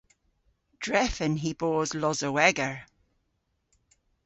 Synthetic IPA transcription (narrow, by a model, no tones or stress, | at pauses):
d̥ɹɛfɪ̃nɦiboːzlɔzəwɛɡəɹ